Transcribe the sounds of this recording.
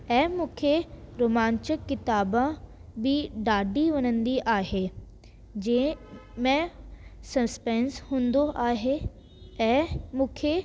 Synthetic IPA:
ɛ̃ːmũːkʰeɾoːmãːɲt͡ɕɪkːɪt̪aːbã | bɪɖaːɖiʋɐnə̃nd̪iʔaːɦeː | d͡ʑɐ̃mẽsɐspɛ̃ːnshũːnd̪oʔaːɦe | ɛ̃ːmũːkʰe

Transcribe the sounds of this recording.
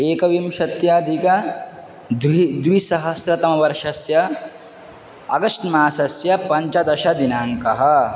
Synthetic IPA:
eːkɐʋimʃɐt̪jaːd̪ʱikɐ | d̪d̪ʋisɐɦɐsɾɐt̪ɐmɐʋɐɾʂɐsjɐ | ɐ̰ɡɐʂʈmaːsɐsjɐpɐɲt͡ʃɐd̪ɐʃɐd̪inaːŋkɐɦɐ̆

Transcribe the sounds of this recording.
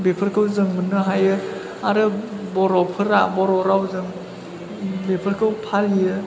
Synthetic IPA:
bepʰɯɾkʰɯwzɯŋmɯnɯɦajɯ | aɾɯbɔɾɔpʰɯɾabɔɾɔɾawzɯŋ | bepʰəɾkʰɯwpʰalijɯ

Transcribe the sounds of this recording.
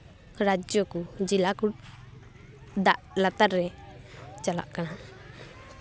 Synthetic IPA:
ɾad͡ʒjɔkɔd͡ʒilaku | d̪a̰ʔlat̪aɾːɛ | t͡ʃala̰ʔkana

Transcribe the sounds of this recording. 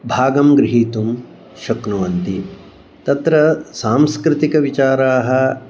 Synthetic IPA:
bʱaːɡɐmɡɾɪɦiːt̪um | ʃɐknuʋɐnt̪i | t̪ɐt̪ɾɐsaːmskɾɪt̪ikɐʋit͡ʃaːɾaːɦɐ̆

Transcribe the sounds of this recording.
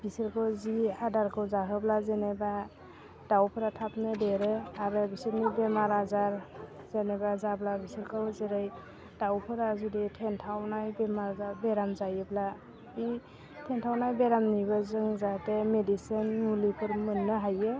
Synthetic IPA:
b̥isiɾkʰɯwziadaɾkʰɯwzaɦɯblazeneba | d̥awpʰɯɾatʰapnɯdeɾɯaɾɯbisiɾnibemaɾazaɾ | zenebazablabisiɾkʰɯwzeɾaj | d̥awpʰɯɾazuditʰentʰawnajbemaɾzaɾbeɾamzajɯbla | i | tʰentʰawnajbeɾamnibɯzɯŋzatemedisinmulipʰɯɾmɯnːɯɦajɯ

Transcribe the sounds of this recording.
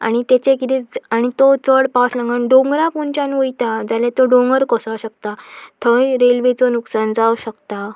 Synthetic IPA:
a̰ɽ̃it̪et͡ɕẽkit̪ɛ̃aɽ̃it̪ot͡səɽpaslə̃ŋɡənɖõŋɡɾapunt͡ɕãnʋəjt̪ad͡zalet̪ɔɖõŋɡəɾkɔsawɕək̚t̪at̪ʰəjɾelʋet͡sɔnuksand͡zawɕəkt̪a

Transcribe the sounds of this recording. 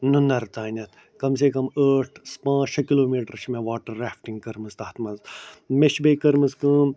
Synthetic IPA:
nunɐɾt̪aːnʲɐt̪ʰ | kɐmseːkɐməːʈʰspãːt͡ʃʰɐkiloːmiːʈɐɾʃʰmẽʋaːʈɐɾːaːfʈiŋɡ̚kɐɾmɨzt̪aːt̪ʰmɐnzmeʃbɐikɐɾmɨskɨ̃ː

